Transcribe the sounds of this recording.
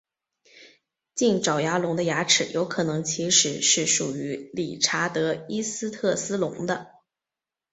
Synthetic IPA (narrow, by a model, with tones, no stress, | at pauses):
t͡ɕi˥˩nʈ͡ʂɑ˨˩ʊja˧˥lʊ˧˥ŋd̪ə˧ja˧˥ʈ͡ʂʰɻ̩˨˩jʔo˧˥ʊkʰɤ˨˩nɤ˧˥ŋt͡ɕʰi˧˥ʂɻ̩˨˩ʂɻ̩˥˩ʂu˨˩y˧˥li˨˩ʈ͡ʂʰa˧˥t̪ɤ˧˥i˥sɹ̩˥t̪ʰɤ˥˩sɹ̩˥lʊ˧˥ŋd̪ə˧